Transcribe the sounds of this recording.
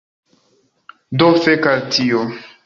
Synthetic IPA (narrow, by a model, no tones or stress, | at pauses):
dofekaltʰio